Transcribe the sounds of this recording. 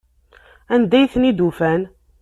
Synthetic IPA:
ænd̪æjθnid̪ufæn

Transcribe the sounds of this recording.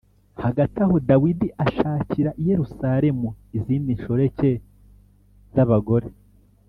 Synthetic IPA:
haɡataho̞dawidiʔaʃaːciɾaʔije̞ɾusaɾe̞muiziːndinʃoɾe̞ce̞ | z̥aβaɡo̞ɾe̞

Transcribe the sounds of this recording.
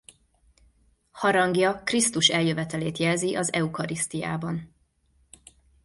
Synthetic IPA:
hɒɾɒŋɡjɒkrist̪uʃɛljøvɛt̪ɛleːt̪jɛlziʔɒzɛukɒɾist̪ija̰ːbɒn

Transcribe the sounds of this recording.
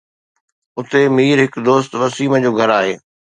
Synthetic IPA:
ʊt̪emiːɾɦɪkd̪oːst̪ʋɐsiːməd͡ʑoːɡʱɐɾaːɦeː

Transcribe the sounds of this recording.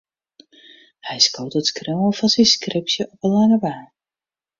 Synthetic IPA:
hɛjskowtətskrowəlˠfɔnsinskrɪpsjəʔɔpəlaŋəʋaː

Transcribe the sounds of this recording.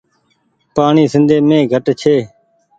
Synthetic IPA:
paːɳiːsɪnd̪ʱeːmẽːɡʱəʈt͡ʃʰeː

